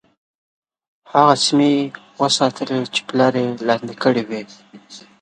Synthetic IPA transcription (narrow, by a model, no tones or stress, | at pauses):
haɣasmi | wəsɑt̪əlet͡ʃe̥pəlɑɾelɑnd̪ikəɽiwi